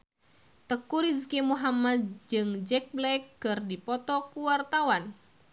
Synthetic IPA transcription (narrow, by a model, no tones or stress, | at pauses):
t̪əkuɾizkimuɦamad̪̚d͡ʒɨŋd͡ʒɛk̚blɛkːɨrdipɔt̪ɔkuwart̪awan